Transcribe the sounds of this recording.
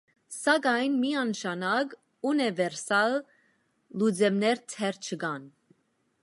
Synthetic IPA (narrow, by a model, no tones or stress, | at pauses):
sɑɡɑjnmiɑnʃɑnɑɡ | unɛvɛɾsɑlː | ud͡zɛmnɛɾt̪ʰɛɾt͡ʃʰəɡɑn